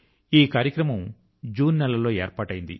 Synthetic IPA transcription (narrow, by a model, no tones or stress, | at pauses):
iːkaːɾjɐkɾɐmɐm | d͡ʒuːnːɛlːɐlo̞ːeːɾpaːʈɐjind̪ḭ